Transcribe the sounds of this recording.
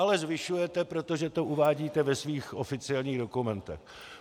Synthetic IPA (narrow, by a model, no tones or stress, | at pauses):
alɛzvɪʃujɛt̪ɛpɾo̞t̪o̞ʒɛt̪o̞ʔuvaːɟiːt̪ɛvɛsviːxʔofɪt͡sɪɛlɲiːɣdo̞kumɛnt̪ɛ̰x